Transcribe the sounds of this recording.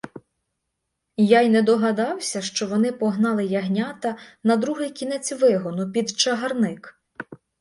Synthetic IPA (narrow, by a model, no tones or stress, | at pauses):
jɑjnɛd̪ɔɦɐd̪ɑwsʲɐʃt͡ʃɔʋɔnɪpɔɦnɑlˠɪjɐɦnʲɑt̪ɐnɐd̪ɾuɦɪjkʲinɛt͡sʲʋɪɦɔnʊpʲid̪t͡ʃɐɦɐrnɪk